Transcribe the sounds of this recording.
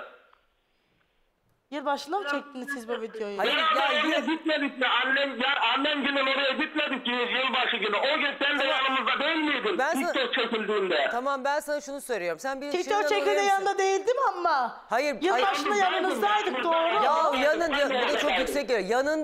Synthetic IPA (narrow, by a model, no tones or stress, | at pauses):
jiɾbaʃlˠaɯmt͡ʃʰɛc̚t̪ʰinisizbuvid̪ijojuhaɾjabiɟit̪med̪ik̚mɛanːɛmjaanːɛmɟynɛnoɾajaɟit̪med̪ik̚ijijilbaʃɯɟynyoɟynsænd̪ɛjanɯmɯzd̪ad̪ejlmijd̪imbænsanokt͡ʃʰecʲilʲd̪iːnd̪ɛt̪ʰamambænsanaʃunusøjɾʲejo̞ɾumsænbizt͡ʃʰet͡ʃot͡ʃecʰʲilʲd̪ɛjanɯnd̪ad̪ejilʲd̪imamːa | hajɯɾjiɾajbaʃɯlˠajanɯnɯzd̪ajd̪ɯk̚d̪oːɾlajanɯnjabud̪at͡ʃʰokjyksɛclʲejanɯn